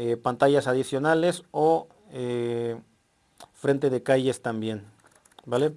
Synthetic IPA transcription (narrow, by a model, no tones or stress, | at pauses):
epant̪aʝasaðisjo̞nale̞so | e | fɾe̞nt̪e̞ðe̞kaʝe̞st̪ambje̞n | bale